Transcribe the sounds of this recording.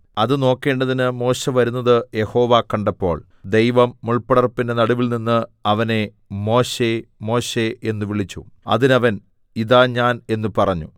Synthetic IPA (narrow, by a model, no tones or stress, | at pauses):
ɐðɨno̞ːkːe̞ːɳɖɐðinɨmo̞ːɕeʋɐɾunːɐðɨje̞ho̞ːʋakːɐɳɖɐpːo̞̰ːɭ | d̪e̞jʋɐmːuɭpɐɽɐrpːinde̞nɐɽuʋilninːɨɐʋɐne̞ | mo̞ːɕe̞mo̞ːɕeenːuʋiɭit͡ɕːṵɐ̰ðinɐʋɐn | iðaːɲaːne̞nːupɐrɐɲːu